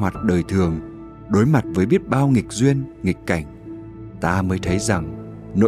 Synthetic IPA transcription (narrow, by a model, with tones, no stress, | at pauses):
wa˨˩t̚ɗəː˨˩jt̪ʰɨ˨˩əŋ | ɗo˨˦jma˨˩t̚vəː˨˦jɓi˦˥ət̚ɓaː˧wŋi˨˩k̟̚zwi˧ənŋi˨˩kka˧˩jŋ̟ | t̪aː˧məː˨˦jt̪ʰə˨˦jza˨˩ŋ | no̰˧